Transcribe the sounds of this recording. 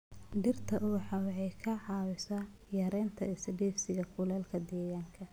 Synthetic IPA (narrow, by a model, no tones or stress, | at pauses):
ɖɪrt̪ʰɐʔʊħɑwʕɛjkʰɐʕɑːwɪsɐ | jɐɾɛːnt̪ʰɐɪsɐɖɛːfsɪɣɐkʰʊlɛːlkʰɐd̪ɛːjaːŋkʰɐ